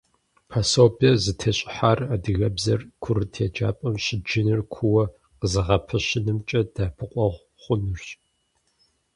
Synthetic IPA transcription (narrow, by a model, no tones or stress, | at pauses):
pʰasoːbʰɐzɨtʰɐɕʼɪ̥ħaraːdɨɣɐbzɐrkʷʰʊrɨtʰeːd͡ʒa̰ːpʼɐmɕɪd͡ʒɪnɨrkʷʰuwɐ | qəzɨʁɐpʰɐɕɪnɨmt͡ʃʼɐd̥aːpʰɨqʷʼɔʁʷ | χʷʊnɨrɕ